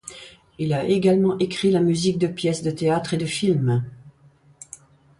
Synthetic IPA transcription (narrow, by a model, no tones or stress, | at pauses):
ilaʔeɡalmɑ̃ʔekχilamyzik̚d̪əpjɛsd̪ət̪eat̪χed̪əfilm